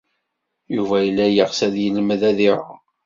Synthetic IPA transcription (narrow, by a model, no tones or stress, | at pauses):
juvæjəlːæjəʁsæðjəlməðæðiɾa̰